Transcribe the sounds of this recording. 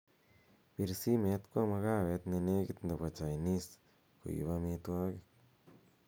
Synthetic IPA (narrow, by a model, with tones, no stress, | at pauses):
bi˧ɾsi˦me˧˦t̪kʷa˦ma˧ɣa˦be˧t̪ne˧ne˦ɡi˦t̪nd̪a˨ba˨t͡ʃa˨jni˦s | ko̰˨jṵ˨ba˧mi˧t̪wa˦ɡe˦k̚